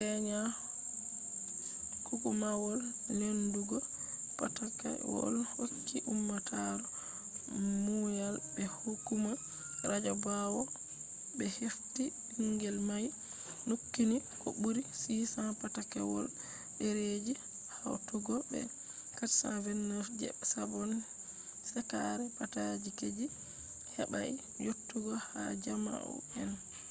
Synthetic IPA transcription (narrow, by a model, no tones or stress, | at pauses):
ɛɲa | kukumawɔlnenduɡɔ | patakɛ̰wɔ̰lhokːiʔumːatʰaɾɔ | mujalbɛhukːuma | ɾad͡ʒabawɔ | bɛhefti | iŋɡɛlmaj | nukːinikɔ̰buɾisisapatakɛwɔ̰l | ɗeɾed͡ʒi | hawtɔɡɔbɛ̰ | katsa̰vɛnːɔɾd͡ʒɛ̰bsabɔn | sɛkaɾɛpatad͡ʒiked͡ʒi | hɛɓa̰i | jotːuɡɔha̰d͡ʒama̰ʔɔ̰ɛn